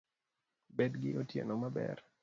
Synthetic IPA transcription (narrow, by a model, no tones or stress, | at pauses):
bedɡɪ̰ʔotjḛnomabɛ̰r